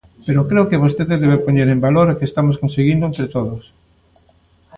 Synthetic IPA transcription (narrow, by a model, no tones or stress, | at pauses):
peɾokɾeʊkeβost̪eðeðeβepoɲeɾẽmbaloɾakest̪amoskonseɣind̪ʊẽnt̪ɾet̪oðʊs